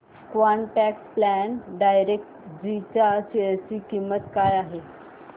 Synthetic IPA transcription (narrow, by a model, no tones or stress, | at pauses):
kʋaɳʈɛksplænɖajɾek̚ʈd͡ʑit͡ɕat͡ɕet͡ɕiːkimːət̪kajaɦe